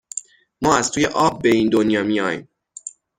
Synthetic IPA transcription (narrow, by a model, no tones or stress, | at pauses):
mɒːæz̥t̪ʰuːje̞ʔɒːb̚ːe̞ind̪onjɒːmijɒːjḭm